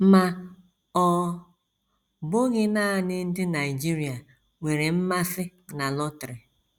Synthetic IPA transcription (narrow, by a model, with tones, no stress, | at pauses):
ma˨ | ɔ˦ | bʊ˦ɣɪ˦naː˦˨nɪ˦n̩˦dɪ˦na˨i˨d͡ʒi˦ɾi˨a˨ | ŋe˨ɾe˨m̩˦ma˦fɪ˦na˨lɔ˦tɾɪ˨